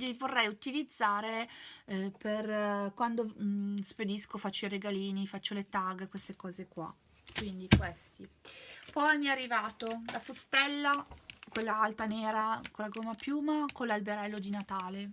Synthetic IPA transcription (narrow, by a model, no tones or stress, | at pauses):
ivorːɛjut̪ilid̪zːaːɾe | perkwand̪osped̪iskofat͡ʃːoiɾeɡaliːnifat͡ʃːolet̪aɡkwest̪ekɔːzekwa̰ | kwind̪ikwest̪ipɔjamːiarːivaːt̪olafost̪ɛlːakwelːaalt̪aneːɾakolaɡomːapjuːmakolːalbeɾɛlːod̪inat̪aːle